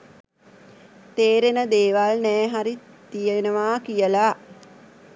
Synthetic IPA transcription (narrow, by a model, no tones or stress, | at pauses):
t̪eːɾenəd̪eːʋalnɛːɦaɾi | t̪ijenəʋaːkijəlaː